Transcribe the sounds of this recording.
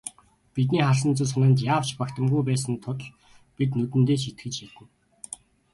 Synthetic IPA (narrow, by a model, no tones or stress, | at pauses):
pit̪̬niːχaɮsə̆nt͡sŭsʊnănt̪̬jaːw̥t͡ɕpakt̪ə̆mɡujpæːs̬ə̆nt̪ʰʊt̪̆ɮ | pit̪nɵt̪ɘ̆nt̪eːʃet̪̚ɡɘ̆t͡ɕxit̪ɘ̆n